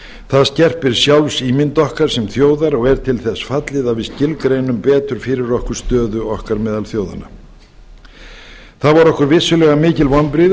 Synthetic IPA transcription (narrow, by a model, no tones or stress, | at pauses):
θaðscɛr̥pɪɾ̥sjawlsiːmɪnt̪ɔhkaɾ̥sɛmθjoːwðaɾɔɣɛɾ̥t̪ʰɪlθɛsːfat̪lɪðavɪscɪlkɾeːjnʏmpɛːt̪ʏɾ̥fɪːɾɪɾɔhkʏɾ̥st̪œːðʏɔhkaɾmɛːðalθjoːwða̰na̰ | θaðvaɾɔhkʏɾvɪsːʏlɛɣamɪːcɪlvɔnpɾiːð